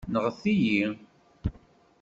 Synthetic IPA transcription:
nəʁəθiji

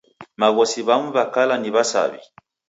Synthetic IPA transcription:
maɣɔsiβamuβakalaniβasa̰βḭ

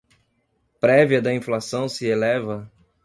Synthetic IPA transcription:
pɾɛviɐd̪ɐĩflasɐ̃w̃sɪelɛvɐ

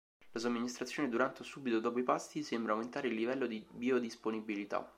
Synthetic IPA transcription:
las̬omːinist̪ɾat̪sjoːned̪uɾant̪esubit̪od̪ɔp̬oipast̪isembɾawment̪aːɾeilːivɛlːod̪ibiod̪isponibilit̪a̰

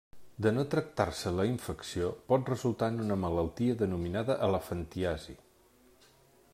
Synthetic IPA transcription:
d̪ənot̪ɾək̚t̪aɾsələiɱfəksiopɔt̪rəzulˠt̪anunəmələlˠt̪iəðənuminaðəʔələfənt̪iazḭ

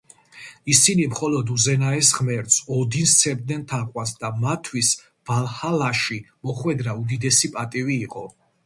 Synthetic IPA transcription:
isinimχɔlɔd̪uzɛnaɛsʁmɛɾt̪sɔd̪inst̪sʰɛbd̪̚nɛnt̪ʰaqʼwansd̪amat̪ʰːwis | v̥alˠhalaʃimɔχwɛd̪ɾaud̪id̪ɛsipʼat̪ʼiviːqʼɔ

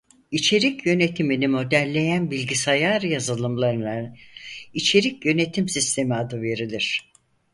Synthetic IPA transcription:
it͡ʃʰe̞ɾicjø̞ne̞t̪ʰiminimo̞d̪æɾlʲe̞jænbilʲɟisajaːɾɯjazɯlˠɯmlˠaɾɯna | it͡ʃʰe̞ɾicjø̞ne̞t̪ʰimsist̪ʰe̞miad̪ɯve̞ɾilʲiɾ̝̥

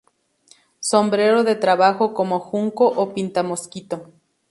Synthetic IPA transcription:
sombɾeɾoðet̪ɾaβaxokomoxuŋkoʔopint̪amoskit̪o

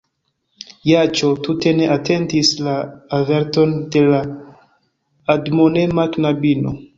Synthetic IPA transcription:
jat͡ʃotute̞ne̞ʔatʰe̞ntislaːve̞ɾto̞nde̞la | dmonemaknabino̰

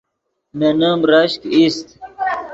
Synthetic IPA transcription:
menamɾɐɕkist̪

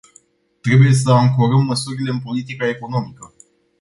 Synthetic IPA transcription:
t̪ɾe̞buje̞s̬əaŋkoɾəmːəsuɾile̞ɨnpo̞lit̪ikae̞ko̞no̞mikə

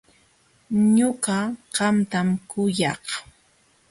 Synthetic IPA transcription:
ɲʊɢaɢɑmt̪amkʊjɑχ

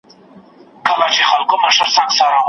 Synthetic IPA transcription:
kʰalat͡ʃʰiχalkʰʼɔmaʃaɾsaŋksaɾaŋ

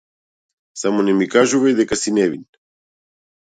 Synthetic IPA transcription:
samɔnɛmikaʒuvajd̪ɛkasinɛvin

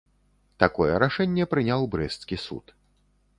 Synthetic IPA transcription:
t̪akɔjɛɾaʂɛnʲːɛpɾɨnʲawbɾɛst̪skʲisṵt̪

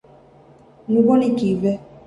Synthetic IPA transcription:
nũbɔnikivɛ

